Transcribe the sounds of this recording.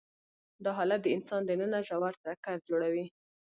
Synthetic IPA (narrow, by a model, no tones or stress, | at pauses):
d̪ɑɦɑlat̪̚d̪əɪnsɑnd̪ənənaʒawaɾt̪ɾakaɾd͡ʒoɽawi